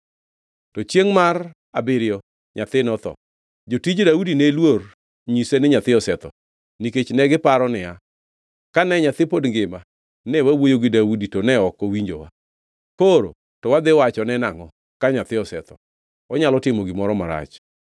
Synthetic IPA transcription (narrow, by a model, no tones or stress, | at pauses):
tɔt͡ʃjeŋmar | abɪɾɪjɔ | ɲat̪ɪnɔt̪ɔ̰ | d͡ʒotid͡ʒdaudinelwor | ɲisenɪɲat̪ɪɔsɛt̪ɔ̰ | niket͡ʃnɛɡɪpaɾɔnɪa | kanɛɲat̪ɪpodŋɡɪma | nɛwawojoɡɪdawuditonɛɔkːɔwiɲd͡ʒo̰wa̰ | poɾo̰ | tɔwad̪ɪwat͡ʃɔnɛnaŋɔ | kaɲat̪ɪɔsɛt̪ɔ̰ | ɔɲalɔtɪmoɡɪmɔɾɔmaɾa̰t͡ʃ